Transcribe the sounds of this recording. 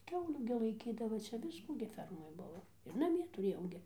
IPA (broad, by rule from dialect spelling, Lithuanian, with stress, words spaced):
ˈkʲɛʊlʲuː ɡʲɪ lˠɐɪˈkʲiːdɐʋɐ ˈt͡ʃʲɛ ˈʋʲɪskuː ɡʲɪ ˈfʲɛrmoːj ˈbʊʋoː ɪr nɐˈmʲiɛ tʊˈrʲeːjɛʊ ɡʲɪ